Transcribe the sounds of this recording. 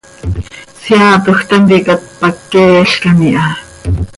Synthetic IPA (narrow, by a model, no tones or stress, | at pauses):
siaːt̪uxt̪ant̪ikat̪̚pakːeːjaɬkaniʔa